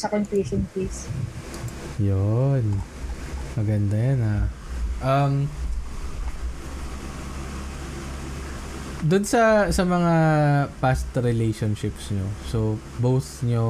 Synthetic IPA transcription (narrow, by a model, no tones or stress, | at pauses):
sɐkɐŋpeʃonpis | jon | mɐɡɐnd̪ajɐna | ʔɐm | d̪ʊnsɐsɐmɐŋapast̪ɾɪlejʃonʃɪpsɲoso | boθɲo